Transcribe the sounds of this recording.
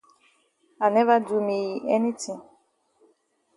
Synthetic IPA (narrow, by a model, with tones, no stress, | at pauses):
a˨nɛ˦va˦du˦mi˨ɛ˦ni˦tʰĩ˨ŋ